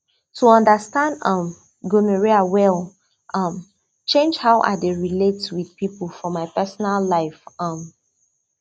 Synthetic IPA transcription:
tʰuʌ̃ndəstãndʌ̃m | ɡuməɹiawɛlˠ | ʔʌm | t͡ʃẽnd͡ʒhaʊʔa̰deɹiletswið̥pipl̩ˠfɔmaɪpɛsɔnalːaɪfʌm

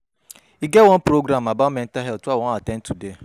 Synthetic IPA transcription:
iɡewɔ̃n̩pɾoɡɾamabamɛ̃n̩taɦɛltawɔ̃natɛ̃ntʰude

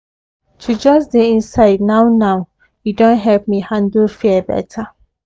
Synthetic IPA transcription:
tʰud͡ʒʌsdeĩnsaɪdnaʊnaʊ | judõnɦɛlp̚mihãndlfiɛbɛ̰tʰa

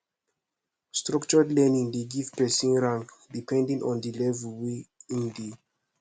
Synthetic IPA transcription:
stɹakt͡ʃɔdlɛnĩŋdeɡivpɛsĩnɹãŋkdipʰɛ̃ndĩŋʔɔ̰̃ndilɛvɛlweĩnde

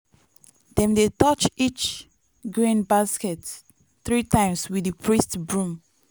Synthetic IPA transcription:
dɛ̃mdetɔt͡ʃit͡ʃ | ɡɹĩnbaskɛt | θɹitãɪ̃mswidɨpʰɹistbɹũm

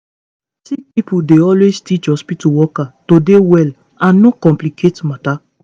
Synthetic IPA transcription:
tik̚pipudeɔlwestit͡ʃɔspituwɔkatodewɛl | ãnːokɔ̃mplikʰetmata

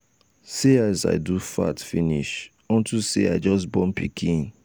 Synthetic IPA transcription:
seaza̰ɪdufa̰tfiniʃ | ɔ̃ntusea̰ɪd͡ʒɔs̬bɔ̃mpikʰĩn

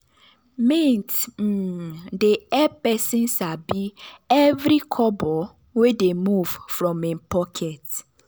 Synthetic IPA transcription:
mẽnt̩ | deɛpɛsĩnsabiɛvɾikʰɔbɔ | wedemuv̥fɹɔ̃mĩnpɔkʰɛt

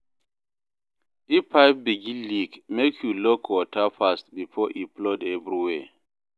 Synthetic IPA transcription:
ipːaɪp̚biɡĩlikmekʰjulɔkʰwɔtʰafast̚bifɔʔiplɔdɛvɹiwɛ

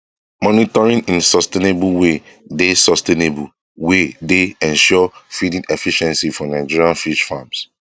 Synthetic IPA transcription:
mɔnitɔɹĩnĩnsɔstenebulwedesɔstenebul | wedeɛ̃nʃɔfidĩnɛfiʃɛ̃nsifɔnaɪd͡ʒiɹialfiʃfams

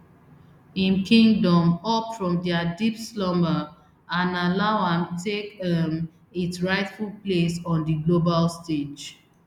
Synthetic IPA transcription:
ĩnkʰĩŋɡdɔ̃mɔpfɹɔ̃mdɛədipslɔ̃mbə | ãnalaʊãmtʰekdɛ̃m | itsɹaɪtfulplesɔ̃ndiɡlobalsted͡ʒ

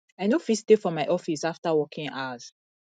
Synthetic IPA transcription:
aɪnofistefɔmaɪʔɔfisaftawɔkʰĩŋaz̥

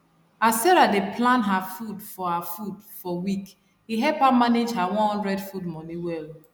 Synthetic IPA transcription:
assɛɾadepʰlãnɦafudfɔhafudfɔwik | hiɦɛpamaned͡ʒɦawɔ̃nhɔ̃ndɹɛdfudmɔniwɛl

